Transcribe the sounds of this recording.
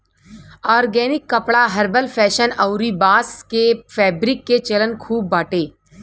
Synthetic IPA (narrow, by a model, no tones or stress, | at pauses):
ɔːɾɡɛːnɪkːɐpɽaɦɐɾbəlfʰɛːʃənɐʊɾibaːskefɛːbɾɪkːet͡ʃɐlənkʰuːbːaːʈeː